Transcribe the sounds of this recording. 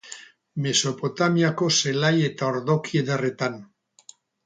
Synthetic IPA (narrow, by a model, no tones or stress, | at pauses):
mesopot̪amjakoselajet̪aoɾðokjeðeret̪an